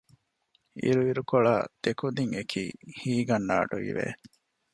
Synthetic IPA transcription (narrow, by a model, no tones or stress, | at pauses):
ḭɾuiɾukoɭa̰ːd̪̥ekud̪iŋekʰiːhiːɡɐnːa̰ːʈuʋḭʋḛ